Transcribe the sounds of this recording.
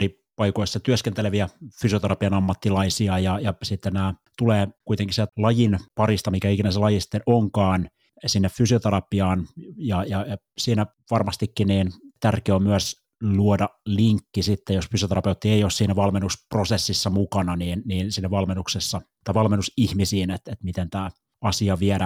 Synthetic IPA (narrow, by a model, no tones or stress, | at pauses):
ri | pɑikoisːɑt̪yøskent̪eleʋiæfysiot̪eɾɑpiɑnɑmːɑt̪ːilɑisiɑjɑjɑsit̪ːennæːt̪uleːkuit̪eŋkisit̪ælɑjinpɑrist̪ɑmikæikinæselɑjisi̥t̪ːenʔoŋkɑːn | sinːeffysiot̪eɾɑpiɑːnjɑjɑjɑ | siːnæ | ʋɑrmɑst̪ikːiniːnt̪ærkeommyæs | luodɑliŋkːisit̪ːejosfysiot̪erɑpeut̪ːieijoːssiːnæʋɑlmenːusprosesːisːɑmukɑnɑniːnniːnsiːnːæʋɑlmenːuksesːɑt̪ɑiʋɑlmenːusihmisiːnet̪et̪mit̪ent̪æː | ɑsiɑʋieɾæ